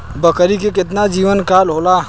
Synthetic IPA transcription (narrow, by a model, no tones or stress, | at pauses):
bəkəɾikekɪt̪nad͡ʒiːʋənkaːlɦoːla